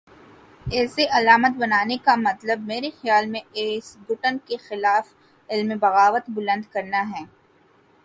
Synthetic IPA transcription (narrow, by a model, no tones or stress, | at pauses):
ɛːseʔɐlaːmət̪bɐnaːnekamɐt̪ləb̚meːɾexjaːlmẽeːsbʊʈənkexɪlaːf | ɪlmebɐɣaːʋət̪bʊlə̃nd̪kɐɾnaɦɛː